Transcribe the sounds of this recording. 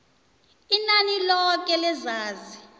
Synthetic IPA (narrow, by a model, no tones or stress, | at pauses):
inanilɔk̬ʼɛlɛzaːzi